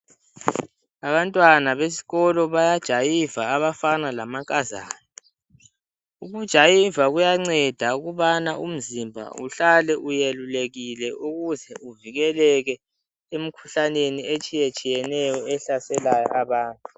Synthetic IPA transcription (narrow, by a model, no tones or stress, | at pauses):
aβantʼwanaβesi̥ɣɔlɔβajad̥ʒ̥ʱajivaːβafanalamakʼaza̰ːni | uɣud̥ʒ̥ʱajivaɣujaŋ͡ǀɛd̥ʱauɣuβanaʔum̩zimbʱa̰ṵɬalɛʔujeluleɣilɛʔuɣuzɛuviɣɛlɛɣɛ | em̩kʰu̥ɬaneniet͡ʃʼijet͡ʃʼijɛnɛjɔɛɬasɛlajɔ̰ʔaβaːntʼu